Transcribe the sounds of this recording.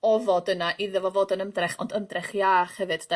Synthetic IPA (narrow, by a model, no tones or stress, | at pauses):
ɔvɔdənaʔɪðɛvɔvoːdənəmdrɛχɔndəmdrɛχjaːχhɛvɨd̥da